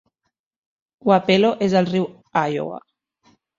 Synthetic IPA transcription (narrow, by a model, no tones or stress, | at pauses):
wapeloʔezəlˠriw | ajo̰wa̰